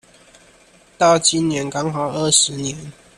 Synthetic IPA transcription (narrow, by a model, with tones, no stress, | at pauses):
t̪ɑ˥˨ʊt͡ɕi˦nnjɛ˨˦nkɑ˥ŋxɑ˨˩ʊə˥˨˩ʂɻ̩˨˦njɛ˨˦n